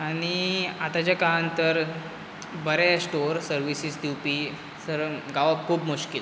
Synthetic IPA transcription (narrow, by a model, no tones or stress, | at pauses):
aɽ̃iat̪at͡ɕakant̪əɾ | bəɾasʈoɾsəɾʋisisd̪iwpi | səɾɡaʋab̚kʰuːbmuɕkil